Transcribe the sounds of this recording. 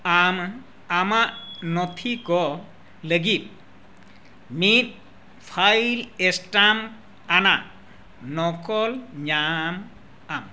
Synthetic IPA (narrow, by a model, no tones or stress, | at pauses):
am | amaʔnɔt̪ʰikɔ | ləɡit̚ | mit̪̚ | pʰajlestam | ana | nɔkɔlɲam | am